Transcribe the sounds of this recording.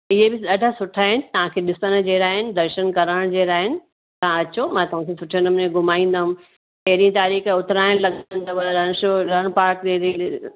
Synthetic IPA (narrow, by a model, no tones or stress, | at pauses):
ɪɦebɪɗɐɖʱasʊʈʰaːɦɪnɪ̆t̪ɐʋ̤ãkʰeːɗɪsəñ̆d͡ʑeːɾaːɦɪnɪ̆d̪ɐɾʃənkɐɾəɽ̃d͡ʑeːɾaːɦɪnɪ̆ | t̪aãɐt͡ɕomãːt̪ɐʋ̤ãkʰesʊʈʰiə̃nmneɡʱʊmaːĩːn̆d̪aɦʊ̃m | pɐɦɪɾiə̃t̪aːɾiːxʊt̪ɪɾaːɪɽ̃lɐɡnt̪ɐɾɐɽ̃ʃoːɾɐɽ̃paːɾk̚eɾi